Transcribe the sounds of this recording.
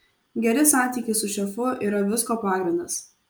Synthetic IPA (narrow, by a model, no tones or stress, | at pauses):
ɡʲɛɾʲɪsɑˑnʲt̪ʲiːkʲɪsʊʃʲɛfʊʔiːɾɐʋʲɪskoːpɑːɡɾʲɪnd̪ɐs